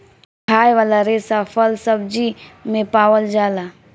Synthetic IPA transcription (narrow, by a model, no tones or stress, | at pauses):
kʰaːjʋaːlaɾeːsapʰəlsəb̚d͡ʒimẽpaːwəld͡ʒaːlaː